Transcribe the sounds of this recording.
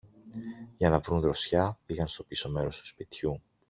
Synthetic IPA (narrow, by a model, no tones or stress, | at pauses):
ʝɐnɐvɾunðɾo̞sçɐpiɣɐnst̪o̞piso̞me̞ɾo̞st̪u̥spit̪çu